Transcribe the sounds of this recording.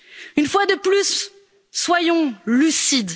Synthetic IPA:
ynfwad̪əplysː | wajɔ̃lysid̪

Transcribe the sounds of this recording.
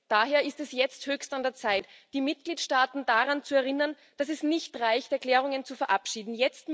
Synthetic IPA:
d̥aːɦeːɐɪstɛsjɛt͡sthøːçstandeːɐt͡saɪtd̥iːmɪt̚ɡ̥liːtʃtaːtn̩daʁant͡suɛɐʁɪnɐn | d̥asɛsnɪçtʁaɪçtɛɐkl̥ɛːʁ̞ʊŋənt͡sufɛɐʔapʃiːdn̩jɛt͡st

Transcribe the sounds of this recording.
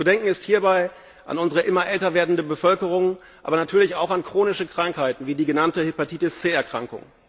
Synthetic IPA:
t͡sudɛŋkŋ̩ɪsthiːɐbaɪ | ʔa̰nʊnzəʁəʔɪmɐʔɛltɐveːɐdn̩dəbəfœlkəʁ̞ʊŋ | ʔa̰ːbɐnatʰyːɐlɪçaʊxankʁ̥oːnɪʃəkʁ̥aŋkhaɪtn̩viːdiːɡənantəhypatiːtɪst͡seːɛɐkʁ̥aŋkʊ̰ŋ

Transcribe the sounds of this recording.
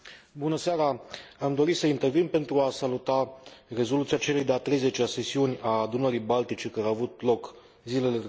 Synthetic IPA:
bunəseaɾaamd̪o̞ɾisəint̪e̞rvinpe̞nt̪ɾuasalut̪are̞zo̞lut̪siat͡ʃe̞lejd̪eat̪ɾe̞jze̞t͡ʃease̞siunʲad̪unəɾijbalt̪it͡ʃe̞kaɾeaːvut̪lo̞k | zile̞le

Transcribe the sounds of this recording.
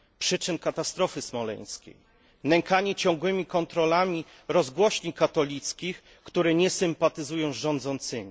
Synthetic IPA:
pʂɘt͡ʂɘnkat̪ast̪ɾɔfɘsmɔlɛ̰ɲ̃skʲḛj | nɛŋkaɲɛt͡ɕɔ̃ŋɡwɘmʲikɔnt̪ɾɔlamʲi | ɾɔzɡwɔɕɲikat̪ɔlʲit̪skʲix | kt̪uɾɛɲɛsɘmpat̪ɘzujɔ̃w̃zʐɔnd̪zɔnt̪sɘmʲi

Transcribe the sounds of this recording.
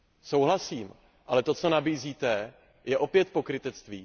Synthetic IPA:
so̞wɦlasiːm | ʔalɛt̪o̞t͡so̞nabiːziːt̪ɛ | jɛʔo̞pjɛt̪̚po̞kɾɪt̪ɛt͡st̪viː

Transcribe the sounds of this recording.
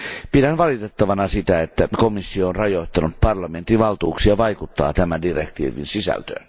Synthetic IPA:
pidænʋɑlit̪et̪ːɑʋɑnɑsit̪æet̪ːækomisːioːnrɑjo̞it̪ːɑnut̪̚pɑrlɑment̪iʋɑlt̪uːksiɑʋɑjkut̪ːɑ̰ːt̪æmændirekt̪ḭːʋḭnsisæ̰lt̪ø̰ːn

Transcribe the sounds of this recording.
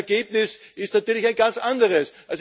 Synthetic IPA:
ɐɡ̥eːb̚nɪsɪstnatyːɐlɪçaɪnɡ̥ant͡sʔandəʁəsʔas

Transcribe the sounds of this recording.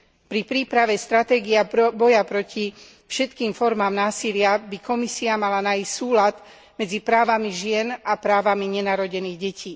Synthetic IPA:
pɾipɾiːpɾaʋɛst̪ɾat̪ɛːɡiabɔjapɾɔci | fʃɛt̪kiːmfɔɾmaːmnaːsilɪabikɔmisiamalanaːjiscsuːlat̪ | mɛd͡zipɾaːʋamiʒɪɛnapɾaːʋamiɲɛnaːɾɔɟɛniːɣɟɛciː

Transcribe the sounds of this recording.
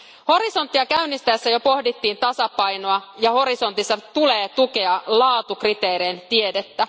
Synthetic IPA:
ho̞ɾiso̞nt̪ːiɑkæynːist̪æesːæjo̞po̞hdit̪ːiːnt̪ɑsɑpɑjnoɑjɑho̞ɾiso̞nt̪isːɑt̪uleːt̪uke̞ɑlɑːt̪ukrit̪e̞ːɾeːnt̪ie̞det̪ːæ

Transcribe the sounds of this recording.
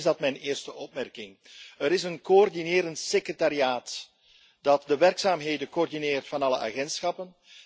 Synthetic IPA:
zdɑtmɛjnɪːrstəʔɔpmɛrkɪŋ | əɾɪsənkoɔrdineːɾəntsekrətaɾiaːt | dɑtdəʋɛrksaːmɦeːdənkoɔrdineːrtfɑnɑləʔa̰ːɣɛntsxɑpən

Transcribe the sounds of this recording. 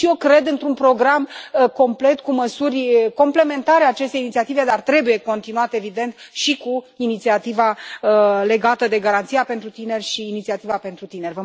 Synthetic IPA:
ʃije̞wkɾe̞d̪ɨnt̪ɾunpɾo̞ɡɾamko̞mple̞t̪kuməsurʲəko̞mple̞me̞nt̪aɾeaːt͡ʃe̞st̪einit̪siat̪ive̞d̪art̪ɾe̞buje̞ko̞nt̪inuat̪eevid̪e̞nt̪ʃiku | init̪siat̪iva | le̞ɡat̪əd̪e̞ɡaɾant̪sijape̞nt̪ɾut̪ine̞rʲʃiːnit̪siat̪ivape̞nt̪ɾut̪ine̞rʲvə

